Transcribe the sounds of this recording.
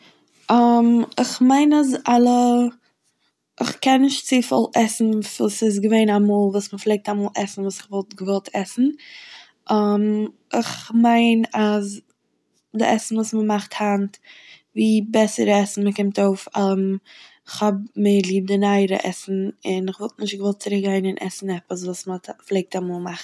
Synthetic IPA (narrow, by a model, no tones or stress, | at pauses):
amɪχmaɪnazalˠə | ɪ̰χkɛnːɪʃtt͡siːfɪ̰lˠʔɛsn̩vuːsɪs̬ɡəveɪnamuːlˠvuːsməflˠeɪk̚tamuːlˠʔɛsn̩vuːsɪχvɔlˠt̚ɡəvɔlˠtʰɛsn̩ | ʔam | ɪχmaɪnaz | dɪ̰ʔɛsn̩vuːsməmaχthant | viːbɛsəɾɛsn̩məkɪmtoʊfalˠəm | ɪχhɔb̚melˠiːb̚dɪnaɪɾə̰ʔɛ̰sn̩ɪnɪχvɔlˠtnɪʃtɡəvɔlˠt̚t͡sɪɾɪk̚ɡaɪnɪnʔɛ̰sn̩ɛpəs̬vuːsmflˠeɪk̚tamuːlˠmaχt